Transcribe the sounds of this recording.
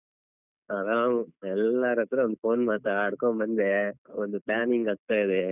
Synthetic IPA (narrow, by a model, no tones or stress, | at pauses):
ɐðãɛlːaːɾɐt̪ːɪɾɯ̃ɔnd̪ɯfoːnmaːt̪ːaaːɽɯkːõmɐnd̪eɔnd̪ɯpɭaːnɪŋɡɐkt̪ːɐɪðɯ